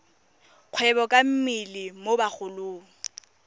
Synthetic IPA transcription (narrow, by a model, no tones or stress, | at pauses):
q͡χʰwɛbɔkʼam̩mɪlɪmobak͡xʊlʊːŋ̩